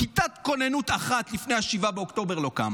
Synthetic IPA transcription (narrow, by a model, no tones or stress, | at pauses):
kit̪at̪ko̞nenut̪aχat̪lifne̞jaʃivabeokt̪o̞be̞ʁlo̞ka̰m